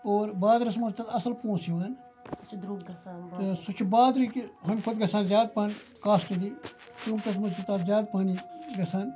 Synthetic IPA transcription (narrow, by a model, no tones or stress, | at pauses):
oːɾbaːd̪ɾɐs̬muɾt̪ɐt̪ɐsɐlpõːsiʋaːn | t̪ɨsʊt͡ʃʰbaːd̪ɾikiɦɐmkʰʊd̪ɡɐsaːnzʲjaːd̪̚pan | kaːsʈid̪iː | t̪uːmt̪ɐs̬muɾt͡ʃit̪at̪zʲjaːd̪̚paːniɡɐsaːn